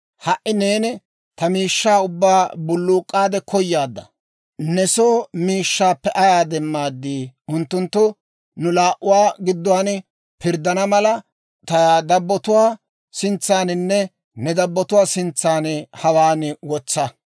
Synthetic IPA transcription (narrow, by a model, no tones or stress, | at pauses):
hɐʔːɪne̞ːnɪ | t̪ɐmiːʃːaːʊbːaːbʊlːuːkʼːaːd̪ɛkʰɔjːaːd̪ːɐ̰ | nɛsoːmiːʃːaːpːɛʔɐjaːd̪ɛmːaːd̪ːiːʊnt̪ːʊnt̪ːʊ | nʊlaːʔʊwaːɡɪd̪ːʊwaːn | pɪɾd̪ɐnɐmɐlɐ | t̪ɐd̪ɐbːɔt̪ʊwaː | sɪnt͡sːaːnɪnːɛ | nɛd̪ɐbːɔt̪ʊwaːsɪnt͡sːaːnhɐwaːnwɔt͡sːɐ